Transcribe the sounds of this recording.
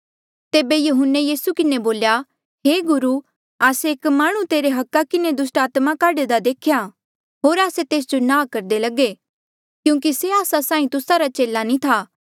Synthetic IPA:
t̪eːbejɐɦʊnːejiːsukɪneboːlja | ɦeːɡʊɾu | aːseeːkmaːɽ̃ũt̪eːɾeɦɐkːakɪned̪ʊsʈaːt̪makaːɖed̪ad̪eːkʰja | ɦoːɾaːset̪eːs̬d͡ʒonãːkɐɾd̪elɐɡe | kjũːk̬iseaːsasãːĩt̪ʊsaɾat͡ʃeːlanĩt̪ʰaː

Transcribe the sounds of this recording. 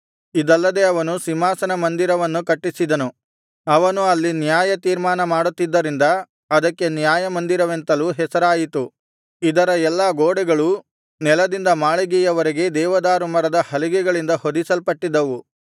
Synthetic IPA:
id̪ɐlːɐd̪e̞ɐʋɐnusimaːsɐnɐmɐnd̪iɾɐʋɐnːukɐʈːisid̪ɐnu | ɐʋɐnuɐlːinjaːjɐt̪iːɾmaːnɐmaːɽut̪ːid̪ːɐɾind̪ɐ | ɐd̪ɐkːe̞njaːjɐmɐnd̪iɾɐʋe̞nt̪ɐluɦɛsɐɾaːjit̪u | id̪ɐɾɐɛlːaɡoːɽɛɡɐɭu | nɛlɐd̪ind̪ɐmaːɭiɡɛjɐʋɐɾiɡe̞d̪ɛːʋɐd̪aːɾumɐɾɐd̪ɐhɐliɡɛɡɐɭind̪ɐhod̪isɐlpɐʈːid̪ːɐʋu

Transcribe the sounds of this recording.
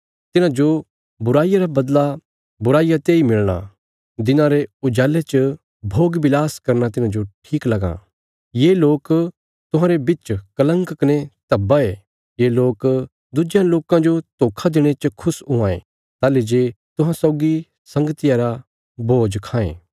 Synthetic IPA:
t̪ɪnãd͡ʒo | bʊɾaːijaɾabɐd̪la | bʊɾaːijat̪eːimɪɭɽ̃a̰ | d̪ɪnãɾeʊd͡ʒaːlet͡ʃə | bʱoːɡbɪlaːskɐɾnat̪ɪnãd͡ʒoʈʰiːklɐɡã̰ | jeloːk | t̪ʊɦãːɾebɪt͡ʃkɐlə̃ŋkkɐnet̪ɐbae | jeːloːk | d̪ʊd͡ʒjãloːkãd͡ʒot̪oːkʰad̪ɪɽ̃et͡ʃkʰʊsʊ̃ãːḛ̃ | t̪aːled͡ʒeːt̪ʊ̃ɦãsɔːɡi | sɐ̃ŋɡət̪ɪjaɾa | bʱoːd͡ʒkʰãːḛ̃ː

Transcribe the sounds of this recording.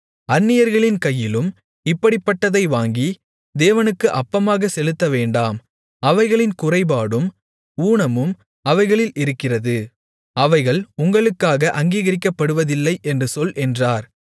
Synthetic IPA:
ɐnːɪjɐɾɣɐɭɪnkɐjːɪlɯm | ɪpːɐɽɪpːɐʈːɐðɐɪʋaːŋɡi | d̪eːʋɐnɯkːɯʔɐpːɐmaːɣɐsɛlɯt̪ːɐʋeːɳɖaːm | ɐʋɐɪɣɐɭɪnkʊrɐɪbaːɽɯm | uːɳɐmɯm | ɐʋɐɪɣɐɭɪlɪɾɯkːɪrɐðɯ | ɐʋɐɪɣɐɭʊŋɡɐɭɯkːaːɣɐʔɐŋɡiːɣɐɾɪkːɐpːɐɽɯʋɐðɪlːɐɪʔɛndrɯsɔlʔɛndraːɾ

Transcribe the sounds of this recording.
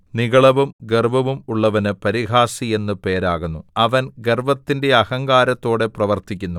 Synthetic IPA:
niɣɐɭɐʋumɡerbʱɐʋumuɭːɐʋɐnɨpɐɾiɣaːsie̞nːɨpe̞ːɾaːɣunːuɐʋɐnɡerbɐt̪ːinde̞ɐhɐŋɡaːɾɐt̪ːo̞ːɽe̞prɐʋɐrt̪ikʲːunːu

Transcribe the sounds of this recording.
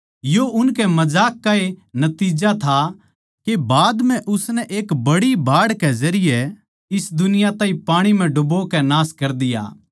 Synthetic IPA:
joʊnkɛmɐzaːkːaenɐt̪iːd͡ʒat̪ʰa | kebaːd̪m̤ɛ̃ʔʊsnɛʔeːkbɐɽibʱaːɽkɛzɐɾɪjɛ | ɪsd̪ʊnɪjat̪ãːĩpaːɽ̃im̤ɛ̃ɖʊbokɛnaːskɐɾd̪ɪja̰ː

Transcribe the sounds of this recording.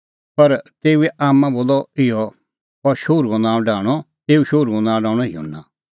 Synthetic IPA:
pɐɾt̪eːuɛʔaːmːãboːlɔɪjɔ | ɔɾʃoːɾuɡɔ̃nãːɖaːɽ̃ɔ | t̪eːuʃoːɾuɡɔ̃nãːɖãːɽ̃ɔɦio̰ːnːã

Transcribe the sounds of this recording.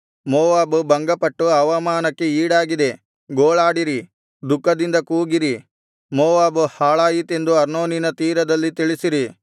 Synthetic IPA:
moːʋaːbubɐŋɡɐpɐʈːuɐʋɐmaːnɐkːe̞iːɽaːɡid̪e̞ | ɡoːɭaːɽiɾi | d̪ukːɐd̪ind̪ɐkuːɡiɾi | moːʋaːbuhaːɭaːjit̪e̞nd̪uɐɾno̞ːninɐt̪iːɾɐd̪ɐlːit̪iɭisiɾi

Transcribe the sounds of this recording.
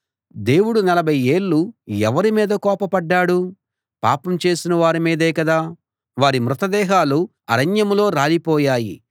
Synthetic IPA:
d̪e̞ːwuɽunɐlɐbʱɐje̞ːɭːuɛʋɐɾimiːd̪ɐkɔːpɐpɐɖːaːɽu | pa̰ːpɐmt͡ʃe̞ːsinɐʋaːɾimiːd̪eːkɐd̪aː | ʋaːɾimɾut̪ɐd̪ɛːɦaːlu | ɐɾɐɲjɐmlo̞ːɾaːlipɔːjaːjḭ

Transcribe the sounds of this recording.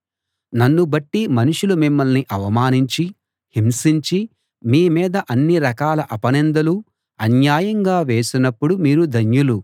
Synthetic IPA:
nɐnːubɐʈːimɐnuʂulumimːɐlniʔɐʋɐmaːniɲt͡ʃi | himsiɲt͡ʃi | miːmiːd̪ɐʔɐnːiɾɐkaːlɐʔɐpɐnɛnd̪ɐlu | ɐnjaːjɐŋɡaːʋe̞ːsinɐpːuɽumiːɾud̪ʱɐɲjulu

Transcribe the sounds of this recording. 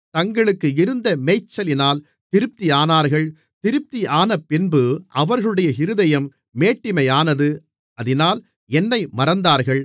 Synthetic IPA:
t̪ɐŋɡɐɭɯkːɯɪɾɯnd̪ɐmɛɪt͡ʃːɐlɪnaːl | t̪ɪɾɯp̚t̪ijaːnaːɾɣɐɭ | t̪ɪɾɯp̚t̪iaːnɐpːɪnbɯʔɐʋɐɾɣɐɭɯɽɐjɐɦɪɾɯðɐjɐmː | eːʈːɪmɐjaːnɐðɯ | ɐðɪnaːl | ɛnːɐɪmɐɾɐnd̪aːɾɣɐɭ

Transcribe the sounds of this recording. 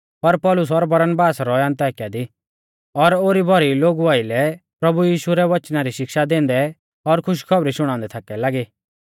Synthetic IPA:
pɐɾpɔlʊs̬ɔɾbɐɾənbaːsɾɔɐ̃nt̪aːkjad̪i | ɔɾoːɾibʱɔɾiloːɡuaːɪlɛpɾɐbujiːʃuɾɛʋɐt͡ʃnaɾiʃɪkʃad̪ẽːnd̪ɛ | ɔɾkʰʊʃ̬kʰɔbɾiʃʊɽ̃ãʊ̃nd̪ɛt̪ʰaːkɛlaːɡiː

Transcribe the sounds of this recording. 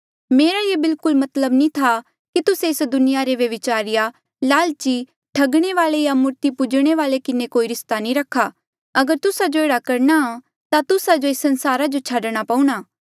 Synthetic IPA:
meːɾajebɪlkʊlmɐt̪ləbnĩt̪ʰa | kit̪ʊseɪsd̪ʊnɪjaɾeʋɐʋɪt͡ʃaːɾɪja | laːlt͡ʃi | ʈʰɐɡɽ̃eʋaːlejamʊɾt̪ipʊd͡ʒɽ̃eʋaːlekɪnekoːiɾɪst̪anĩɾɐkʰːa | ɐɡəɾt̪ʊsad͡ʒoeːɽakɐɾnaa | t̪at̪ʊsad͡ʒoɪsːɐnsaːɾad͡ʒot͡ʃʰaːɖɽ̃apãũɽ̃aː

